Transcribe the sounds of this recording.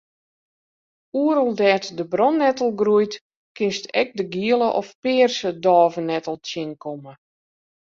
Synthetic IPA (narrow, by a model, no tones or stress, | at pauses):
uəɾəlˠdɛːtdəbrɔnːɛtəlˠɡrujt | kɪnstʰɛk̚dəɡiələʔɔfpɪːrsədɔːvənɛtəlˠtjɪnkʰomə